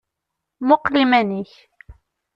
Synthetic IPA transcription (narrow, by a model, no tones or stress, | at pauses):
mʊqlimæniç